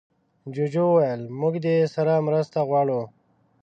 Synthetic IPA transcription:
d͡ʑud͡ʑowajəlmʊɡd̪esɐɾamɾəst̪aɣwaːɽo

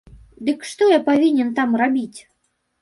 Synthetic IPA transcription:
d̪ɨkʂt̪ɔjapavʲinʲɛnt̪amrabʲit͡sʲ

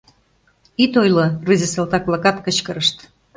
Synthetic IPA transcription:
it̪ojlorizʲeselt̪ɑk̚lɑkɑt̪kə̆t͡ɕkəɾəʃt̪

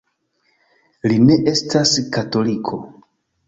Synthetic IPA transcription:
line̞ʔe̞stʰaskato̞likʰo̞

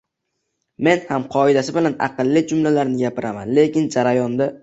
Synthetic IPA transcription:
me̞nhamqʰɒɪd̪asɪbɪlana̰qɨlˠːɪd͡ʒʊmlalaɾnɪɡʲapɪɾama̰nle̞kʲɪnd͡ʒaɾajɒnd̪a

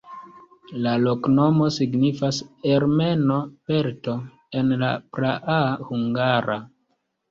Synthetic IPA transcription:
lalo̞kno̞mo̞siɡnifaseɾme̞no̞pe̞ɾto̞ | enla̰pɾaʔahuŋɡaɾa

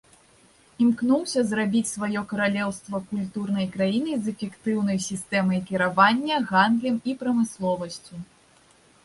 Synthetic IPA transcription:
imknuwsʲɐzrabʲit͡sʲsvajɔkɐɾalʲɛwst̪vɐkulʲt̪urnɐjkɾajinɨjzɛfʲɛkt̪ɨwnɐjsʲist̪ɛmɐjkʲiɾavanʲːɐɣand̪lʲɛmipɾɐmɨslˠɔvɐsʲt͡sʲu

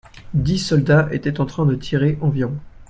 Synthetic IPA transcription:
d̪isɔld̪aʔet̪ɛt̪ɑ̃t̪χɛ̃d̪ət̪ʰiʁeʔɑ̃vjʁɔ̃

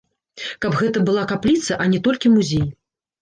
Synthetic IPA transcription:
kabɣɛt̪ɐbɨlˠakaplʲit̪sɐʔɐnʲɛt̪ɔlʲkʲimuzʲej

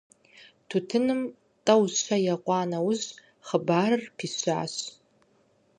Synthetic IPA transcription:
tʰutʰɨnɨm | tʼɐwɕʷʰɐjaqʷʼɑːnɐwʊz | χəbaːrɨrpʰiɕʷa̰ːɕ

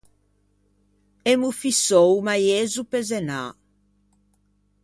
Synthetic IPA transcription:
emufisowmajezupezena̰

